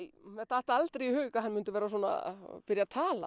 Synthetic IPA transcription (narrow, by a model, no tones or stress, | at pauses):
jmɛθaht̪aalt̪ɾɛjihœːɥkaɦanːmʏnt̪ʏvɛːɾasuɔːna̰pɪɾjat̪ʰaːla̰